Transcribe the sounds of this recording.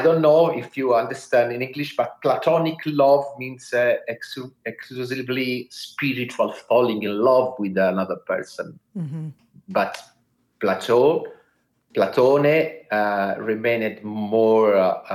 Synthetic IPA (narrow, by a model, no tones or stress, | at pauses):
aɪjdõnːoːɪfjuãndə˞stæ̃ndɪ̃nɪ̃ŋɡliʃb̥at̚platʰɔnɪkʰlɔvmĩnsɛksɛkuzivlispiɹit͡ʃualfɔlɪ̃ŋɡɪ̃nlʌvwɪðanʌðə˞pɛ̰˞sə̰̃n | bat | platʰo | platʰone | ɹimẽnɪdmɔːɹ